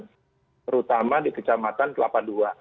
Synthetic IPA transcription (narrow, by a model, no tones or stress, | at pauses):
t̪əɾut̪amadikət͡ʃamat̪ant̪əla̰pandua